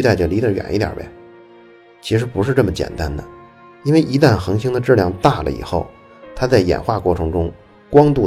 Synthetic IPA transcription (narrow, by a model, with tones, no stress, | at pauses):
t̪a˥˩ɪʈ͡ʂə˨˩li˧˥d̪ə˧˩ɥɛ̰˨˩nʔi˥t̪jɑ̰˨˩bḛ˧˩ | t͡ɕʰi˧˥ʂɻ̩˧˥pu˧˥ʂɻ̩˥˧ʈ͡ʂɤ˥˩mə˩t͡ɕjɛ̰˨˩nt̪a˥nd̪ə˨ | i˥nwe˥˧ɪʔi˧˥t̪a˥˩nxɤ˧˥ŋɕi˥ŋd̪ə˨ʈ͡ʂɻ̩˥˩ljɑ˥˧ŋt̪a˥˩lə̰˦ḭ˨˩xo˥˩ʊ | t̪ʰa˥t͡sa˥˩ɪjɛ̰˨˩nxwa˥˧kwɔ˥˩ʈ͡ʂʰɤ˧˥ŋʈ͡ʂʊ˥ŋ | kwɑ˥ŋt̪u˥˩